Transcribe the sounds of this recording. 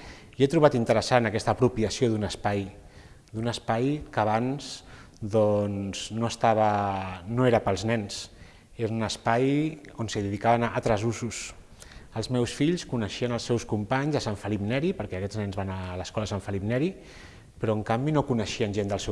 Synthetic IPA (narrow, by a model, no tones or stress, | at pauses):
iet̪ɾuβat̪int̪əɾəsanəkɛst̪əːpɾupiəsioðunəspaj | d̪unəspajkəːβ̞anzd̪ɔnz̥noəst̪aβ̞ənoeɾəpəlˠznɛns | eɾunəspajonsəðəðikaβənaʔːt̪ɾɛzuzus | əlˠzmɛwsfiʎskunəʃiənəlˠsːɛwskumpaɲzəsaɱfəlipnɛɾipəɾkɛəkɛd͡znɛnzβanaləskɔləsaɱfəlipnɛɾi | pɾɔəŋkambinokunəʃiənʲʒend̪əlˠsɛ